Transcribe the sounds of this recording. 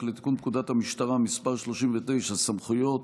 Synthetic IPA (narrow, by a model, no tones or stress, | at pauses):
let̪i̥kunkud̪at̪hamiʃt̪aʁamispaʁʃlo̞ʃimvet̪e̞jʃasamχujo̞t̪